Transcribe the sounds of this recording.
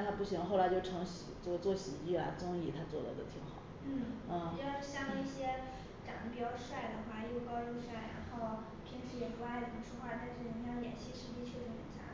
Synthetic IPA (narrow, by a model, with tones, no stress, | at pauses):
t̪ʰa˥pu˥˩ɕi˧˥ŋxo˥˩ʊla˧˥ɪt͡ɕjo˥˩ʊʈ͡ʂʰɤ˧˥ŋɕḭ˨˩ʈ͡ʂɤ˥˩˧t͡swɔ˥˩ɕḭ˨˩i˥˩ɐ̰˨˩t͡sɤ˥ŋi˥˩t̪ʰa˥t͡swɔ˥˩d̪ə̰˩d̪ə̰˩t̪ʰi˧˥ŋxɑ˨˩˦ʊnn̩˥˩n̩˥˩i˨˩jɑ˥˧ʊ˥˩ɕjɑ˥ŋi˥˩ɕjɛ˥ | ʈ͡ʂɑ̰˨˩ŋnə˥pi˨˩t͡ɕjɑ˥˧ʊʂwa˥˩ɪd̪ə˨xwa˥˩jo˥˩ʊkɑ˥ʊʈ͡ʂu˥˧ʂwa˥˩ɪɻa̰˧˥nxo˥˩ʊ | pʰi˥nʂ̩ʰ˥˩jɛ˨˩pu˧˥t̪a˥˩ɪpu˨˩ʈ͡ʂʰu˥xwa˥˧t̪a˥˧ɪʈ͡ʂɤ˥˩ə˧˥jɑ˥˩ŋjɛ̰˨˩nɕi˥ʂɻ̩˧˥t͡ɕi˥t͡ɕʰɛ˥˩ʂɻ̩˧˥xə̰˨˩nt͡ɕja̰˥